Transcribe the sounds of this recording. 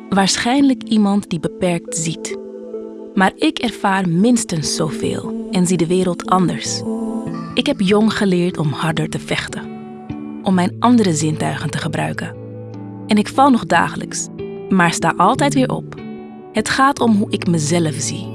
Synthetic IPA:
ʋaːɹsχɛjnləkimɑntdibəpɛɹk̚tz̥it | maːɹɪkɛɹv̥aːrmɪnstənsːowvḛːlˠʔɛnzidəʋɪːɾəlˠtʰʔɑndəɹs | ʔɪkɦɛpjɔŋχəlɪːɹtʰɔmhɑɹdəɹtəfɛχtə | ʔɔmːɛjnʔɑndəɾəzɪntœɥχəntəχəbrœ̰ɥkən | ɛnɪkfɑlˠnɔχda̰ːχələ̰ks | maːɹsta̰ːʔɑlˠtɛjtʋɪːɹʔɔ̰p̚ | hətχaːtɔmɦuʔɪkməzɛləfz̥i

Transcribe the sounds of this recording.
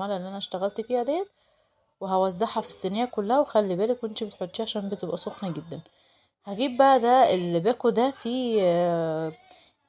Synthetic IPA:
æːlʔenːʔænæʃt̪æɣælt̪fiːhæd̪æːt̪̚ | weɦæwæzːɑħhæfi̥sːenejːækolːæhæwexælːibæːlekweʔent̪ibet̪ħot̪ːʃiːʕaʃæːmbet̪ebʔæsˤoxniɡed̪ːæn | hæɡiːb̚bæʔæd̪æelibæːkud̪æfiː

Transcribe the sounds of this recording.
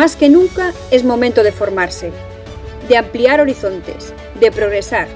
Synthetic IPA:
askenũŋka | ɛzmomẽnt̪oð̞efoɾmaɾse | d̪eampliaɾoɾiθont̪ḛs | d̪epɾoɣɾesaɾ

